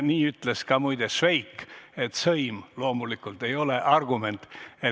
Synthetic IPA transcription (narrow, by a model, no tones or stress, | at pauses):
niːyt̪leskɑmujd̪̥esve̞jkːe̞t̪sɤjmlo̞ːmulikːult̪ːe̞jo̞leʔɑrɡ̥ume̞nt̪ˑe